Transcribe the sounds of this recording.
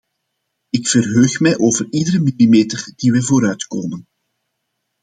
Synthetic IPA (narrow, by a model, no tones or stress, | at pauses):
ɪkfərɦøːxmɛjʔoːvəridəɾəmilimeːtərd̥iʋɛjvoːɾœɥtkoːmən